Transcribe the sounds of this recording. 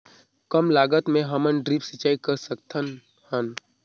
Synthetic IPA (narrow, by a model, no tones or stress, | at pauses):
kəmlaːɡət̪mẽɦɐmənɖɾiːpsət͡ʃːaːikəɾsəkt̪ʰən | hən